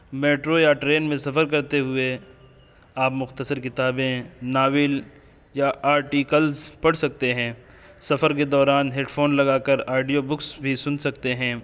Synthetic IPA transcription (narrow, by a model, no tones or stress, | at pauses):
meːʈɾojaʈɾeːnmẽsɐfəɾk̬ɐɾt̪eɦʊe | aːpmʊxt̪əsəɾkɪt̪aːbẽnaːʋɪl | jaʔaːɾʈiːkəlzpɐɽsɐk̚t̪eɦɛ̃ː | sɐfəɾked̪ɔːɾaːnɦeːʈfʰoːnlɐɡaːkəɾaːɪɖijobʊksbʱisʊnsɐk̚t̪eɦɛ̃ː